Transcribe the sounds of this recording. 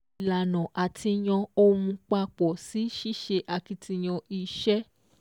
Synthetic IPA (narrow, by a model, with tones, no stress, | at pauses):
la˨nã˨ʔa˨tʰi˧j̃ɔ̃˧o˦ũ˧k͡pa˧k͡pɔ˨si˨˦ʃi˦ʃe˧ʔa˧ki˧tʰi˧j̃ɔ̃˧i˧ʃɛ˦